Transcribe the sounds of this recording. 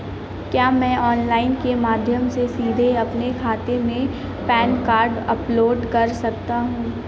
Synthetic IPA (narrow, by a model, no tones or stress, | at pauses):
kjaːmɛ̃ːɔːnlaːɪnkemaːd̪ʱjəmsesiːd̪ʱeɐpnekʰaːt̪emẽ | pɛːnkaːɾɖɐploːɖkɐɾsɐk̚t̪aɦũː